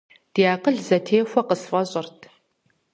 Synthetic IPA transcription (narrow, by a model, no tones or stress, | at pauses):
d̥ijaːqəɮzɐtʰeːxʷɐqəsfʼɐɕʼʊrtʰ